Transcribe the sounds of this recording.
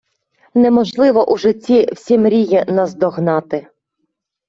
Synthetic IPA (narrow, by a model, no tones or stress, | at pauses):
nɛmɔʒlˠɪʋɔʔuʒɪt͡sʲːiwsʲimɾʲijinɐzd̪ɔɦnɑt̪ɪ